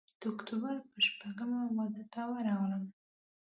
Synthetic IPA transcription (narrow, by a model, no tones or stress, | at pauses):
d̪̥əʊkt̪ubəɾpəʃpaɡəmawad̪at̪awəɾɑɣləm